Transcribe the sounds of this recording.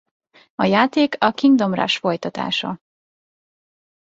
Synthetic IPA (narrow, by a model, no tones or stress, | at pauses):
ɒjaːt̪eːkɒkiŋɡd̪o̞mra̰ʃfo̞jt̪ɒt̪a̰ːʃɒ̰